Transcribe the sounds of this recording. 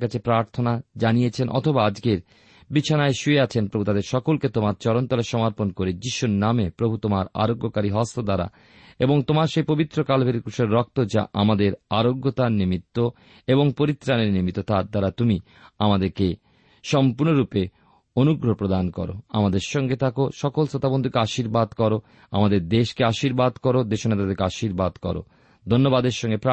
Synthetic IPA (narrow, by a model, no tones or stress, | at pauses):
kat͡ɕʰepɾaɾt̪ʰonad͡ʑanijet͡ɕʰenʔɔ̰t̪ʰobaad͡ʑkeɾ | bit͡ɕʰanaeʃueat͡ɕʰenpɾobʱut̪ad̪eɾʃɔkolket̪omaɾt͡ɕɔɾont̪ɔleʃɔmaɾponkoɾed͡ʑiʃuɾnamepɾobʱut̪omaɾa̰ɾoɡːokaɾiɦɔst̪od̪aɾa̰ | eboŋt̪omaɾʃejpobit̪ːɾokalbʱeɾkɾuʃeɾːɔk̚t̪od͡ʑa̰ʔamad̪eɾaɾoɡːot̪animit̪ːo | eboŋpoɾit̪ːɾaneɾnimit̪ːot̪ad̪aɾat̪umi | amad̪eɾke | ʃɔmpuɾnoɾupe | onuɡɾopɾod̪ankɔ̰ɾo̰a̰mad̪eɾʃɔŋɡet̪ʰakoʃɔkolsot̪abond̪ʱokeaʃiɾbad̪kɔɾo | a̰mad̪eɾd̪eʃkeaʃiɾbad̪kɔɾod̪eʃonat̪ad̪eɾkeaʃiɾbad̪kɔ̰ɾo̰ | d̪ʱonːobad̪eɾʃɔŋɡepɾa